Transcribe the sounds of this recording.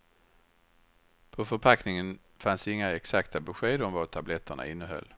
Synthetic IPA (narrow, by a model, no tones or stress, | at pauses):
pʰɔfœɾpʰaknɪŋən | fansɪŋːaɛksakt̪ʰabɛɧeːd̪ɔmvat̪ʰablɛt̪ʰːəɳa̰ɪnːəɦœ̰lː